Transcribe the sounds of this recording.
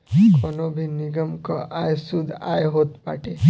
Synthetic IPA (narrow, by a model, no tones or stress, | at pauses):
kɔnobʱiniɡəmkɔʔajsud̪ʱa̰jeɦoːt̪pa̰ʈe